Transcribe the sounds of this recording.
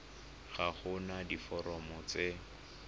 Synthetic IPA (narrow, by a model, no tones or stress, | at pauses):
χaχʊnadifɔɾɔmɔt͡se